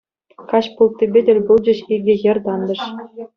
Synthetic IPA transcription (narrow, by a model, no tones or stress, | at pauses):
kɑɕpulˠt̪ʲːibʲedʲɘ̆lʲbulˠd͡ʑɘ̆ɕiɡʲɘ̆jɘ̆rʲd̪ɑnd̪ɤ̆ʂ